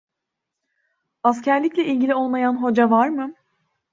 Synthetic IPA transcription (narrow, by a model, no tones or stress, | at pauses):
ascʰæɾlʲicʲlʲɛʔilʲɟʲilʲio̞lˠmajanɦo̞d͡ʒavaɾmɯ